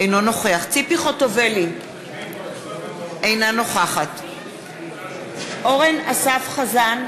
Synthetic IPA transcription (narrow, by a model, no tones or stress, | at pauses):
ejnono̞χeaχt͡sipiχotoveli | ejnano̞χaχat | ʔoʁenasafχazan